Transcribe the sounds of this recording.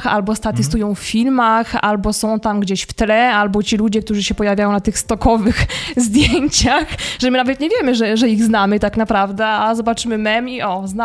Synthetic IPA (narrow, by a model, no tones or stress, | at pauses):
xa̰lbɔst̪at̪ɘst̪ujɔ̃w̃ffʲilmaxa̰lbɔsɔ̃w̃t̪amɡd͡ʑeɕft̪lɛalbɔt͡ɕilud͡ʑɛk̚t̪uʐɘɕɛpɔjavʲajɔ̃nat̪ɘxst̪ɔkɔvɘxzd̪ʲjeɲt͡ɕaxʐɛmɘnavɛt̪̚ɲɛvʲjɛmɘʐɛʐɛiɣznamɘt̪aknapɾavd̪ɛazɔbat͡ʂɘmɘmɛmiʔɔzna